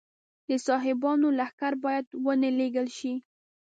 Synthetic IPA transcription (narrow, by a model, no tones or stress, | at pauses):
d̪əsɑɦɪbɑnolahkaɾbɑjad̪wənəleɡəlʃi